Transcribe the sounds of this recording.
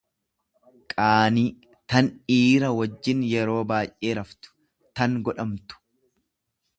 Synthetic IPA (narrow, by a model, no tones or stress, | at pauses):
kʼaːniː | t̪ɐniːɾɐwɐd͡ʒːɪnjɛɾo̞ːbaːjʔeːɾɐft̪ʊ̥ | t̪ɐŋɡɔᶑɐmt̪ʊ̥